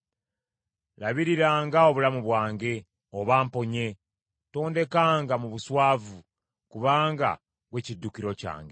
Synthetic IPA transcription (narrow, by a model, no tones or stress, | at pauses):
laβiɾiɾaːŋɡao̞βulamuβwaːŋɡe̞ | oβaːmpo̞ɲe̞ | to̞ːnde̞kaːŋɡamuβuswaːvu | kuβaːŋɡa̰ | βwe̞cidːukiɾo̞ca̰ːŋɡe